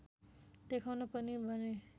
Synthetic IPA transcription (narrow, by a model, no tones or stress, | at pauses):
d̪̥ekʰawnapʌnibʱʌne